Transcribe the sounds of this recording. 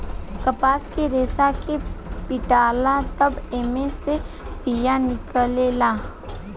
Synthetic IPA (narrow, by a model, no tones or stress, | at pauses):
kɐpaːskeɾeːsakepɪʈaːlat̪ɐbeːmese | pijanɪkəlelaː